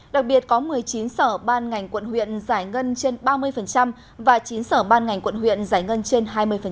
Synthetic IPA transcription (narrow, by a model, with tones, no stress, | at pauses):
ɗa˨˩k̚ɓi˨˩ət̚kɔ˨˦mɨ˨˩əjt͡ɕi˨˦nsəː˧˩ɓaː˧nŋa˨˩jŋ̟kwə̰˧˨nhwḭ˧˨ənzaː˧˩jŋə˧nt͡ɕe˧nɓaː˧mɨ˧əjfə˨˩nt͡ɕa˧m | vaː˨˩t͡ɕi˨˦nsəː˧˩ɓaː˧nŋa˨˩jŋ̟kwə̰˧˨nhwḭ˧˨ənzaː˧˩jŋə˧nt͡ɕe˧nɦaː˧jmɨ˧əjfə˨˩